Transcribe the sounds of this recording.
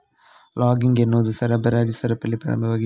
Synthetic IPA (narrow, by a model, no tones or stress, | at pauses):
laːɡɪŋɡɛnːuðɯsɐɾɐbɐɾaːd͡ʒisɐɾɐpːɐlːɪpːɐ̰ɾɐ̰mbɐʋɐːɣɪ